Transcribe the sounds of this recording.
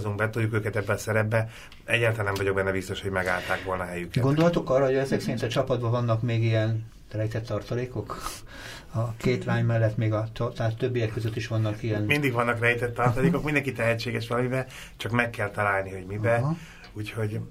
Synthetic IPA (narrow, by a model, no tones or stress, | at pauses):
zuŋɡ̚bɛt̪ojukøːkɛt̪ɛbːɛɒsɛɾɛbːɛ | ɛɟːaːlt̪alːanɛmvɒɟo̞ɡbɛnːɛbist̪o̞ʃho̞ɟmɛɡa̰ːlt̪aːkʋo̞lnɒɦɛjykɡɡo̞nd̪olɦɒt̪o̞kɒrːɒhojɛzɛksɛɾint̪ɒt͡ʃɒpɒd̪̚bɒvɒnːɒkmeːɡiɛn | rɛjt̪ɛt̪ːɒrt̪ɒleːko̞k | ɒkeːt̪laːɲmɛlːɛt̪meːɡɒt̪ɒt̪ːt̪t̪ːøbːijɛkːø̞zøt̪ːiʃʋɒnːɒkijɛnmind̪iɡʋɒnːɒkrɛjt̪ɛt̪ːɒrt̪ɒleːko̞kmind̪ɛŋkit̪ɛɦɛt͡ʃːeːɡɛʃʋɒlɒmibɛ | t͡ʃɒkmɛkːɛlt̪ɒlaːlniho̞ɟmibɛ | uːcho̞ɟ